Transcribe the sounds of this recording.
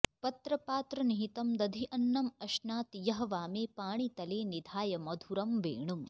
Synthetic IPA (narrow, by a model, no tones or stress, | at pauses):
pɐt̪ɾɐpaːt̪ɾɐniɦit̪ɐmd̪ɐd̪ʱiʔɐnːɐmɐʃnaːt̪jɐɦɐʋaːmeːpaːɳ̃it̪ɐleːnid̪ʱaːjɐmɐd̪ʱuɾɐmʋḛːɳum